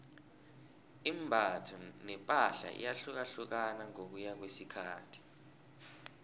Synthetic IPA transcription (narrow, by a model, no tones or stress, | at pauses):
imbʱatʰunɛpʼaɬa̰ʔḭjaɬuk̬aɬuk̬anaŋok̬ujak̬wesikʰaːtʰi̥